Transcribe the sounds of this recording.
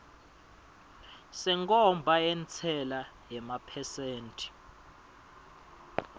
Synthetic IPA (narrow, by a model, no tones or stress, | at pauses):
sɛŋkʼɔmbʱaɛnt͡sʰɛla | jɛmapʰɛseːntʼi̥